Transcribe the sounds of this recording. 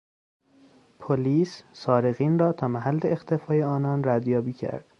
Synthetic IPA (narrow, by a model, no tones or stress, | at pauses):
pʰoliːssɒːɾeɣiːnrɒːt̪ʰɒːmæɦælːe̞ext̪ʰe̞fɒːjeɒːnɒːnræd̪jɒːbiːcʰæ̰ɾd̪̥